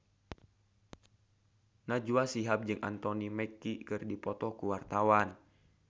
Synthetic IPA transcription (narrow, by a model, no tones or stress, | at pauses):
nad͡ʒuasiɦap̚d͡ʒɨŋʔa̰nt̪ɔnimɛkːikɨrdipɔt̪ɔkuwart̪awan